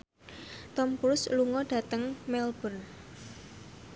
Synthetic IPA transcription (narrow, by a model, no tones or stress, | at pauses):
t̪ɔmkuɾʊsluŋɔɖ̥ä̤t̪əŋmɛlb̥ə̤n